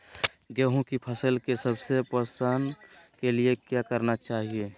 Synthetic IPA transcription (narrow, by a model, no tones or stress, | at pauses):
ɡɛːɦõkipʰəsəlkesəbsepəsankeliekjakəɾnat͡ʃaːɦie